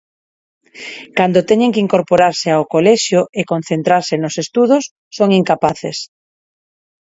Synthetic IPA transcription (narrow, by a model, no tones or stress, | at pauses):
kand̪ot̪ɛɲeŋkiŋkoɾpoɾaɾseaokolɛʃjoʔekonθent̪ɾaɾsɪnosest̪uðʊsːoŋiŋkapaθḛs